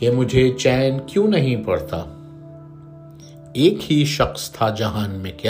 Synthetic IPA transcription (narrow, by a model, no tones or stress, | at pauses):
kemʊd͡ʒʱet͡ʃɛːnkjũːnɐɦĩpɐɽt̪a̰ː | eːkhiʃɐxst̪ʰad͡ʒɐɦaːnmẽkja